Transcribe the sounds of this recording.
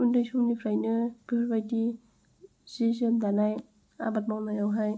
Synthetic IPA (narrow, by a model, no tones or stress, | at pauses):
undɯjsumnipʰɾajnɯbibajdi | sizɯmdanaj | a̰bat̚mawnajawɦaj